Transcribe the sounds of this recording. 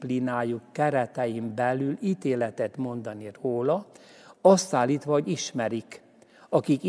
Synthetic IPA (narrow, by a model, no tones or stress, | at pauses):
plinaːjukːɛɾɛt̪ɛjimbɛlyliːt̪eːlɛt̪ɛt̪mo̞nd̪ɒniroːlɒɒst̪saːlːiːt̪ʋɒɦo̞ɟiʃmɛɾik | ɒkik